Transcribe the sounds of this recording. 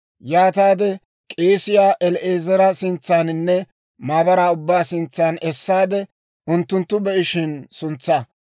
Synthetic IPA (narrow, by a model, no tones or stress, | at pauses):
jaːt̪aːd̪ɛ | kʼe̞ːsɪjaːʔɛlʔeːzɛɾɐsɪnt͡sːaːnɪnːɛ | maːbɐɾaːʊbːaːsɪnt͡sːaːnɛsːaːd̪ɛ | ʔʊnt̪ːʊnt̪ːʊbɛʔɪʃɪnsʊnt͡sːɐ